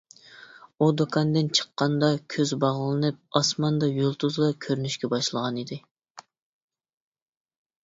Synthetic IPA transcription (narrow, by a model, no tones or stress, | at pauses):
ud̪okʰɑnd̪ɪnt͡ʃʰə̥qːɑnd̪ɑkʲʰøzbɑʁlˠɨnɨp̚ɑsmɑnd̪ɑjulˠt̪ʰuzlˠɑkʲʰøɾynyʃkʲɛbɑʃlˠəʁɑnid̪ɪ